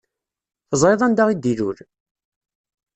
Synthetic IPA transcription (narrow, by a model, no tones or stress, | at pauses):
θəzˤɾeðˤænd̪aʁid̪iɾuɾ